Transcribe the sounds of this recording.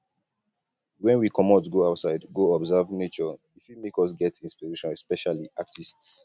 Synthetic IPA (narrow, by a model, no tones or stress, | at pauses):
wɛ̃nwikʰɔmɔtɡoaʊtsaɪdɡoɔbzɛvnet͡ʃɔ | ifimekɔs̬ɡɛtĩnspiɹeʃɔ̃nɛspɛʃaliatʰists